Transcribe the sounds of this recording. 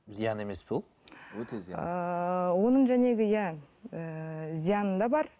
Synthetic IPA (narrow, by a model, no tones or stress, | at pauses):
zijɑne̞me̞sbulˠ | øeəwo̞nəɴʒæne̞ɡʲɪjæ | əzijɑnənd̪ɑbɑɾ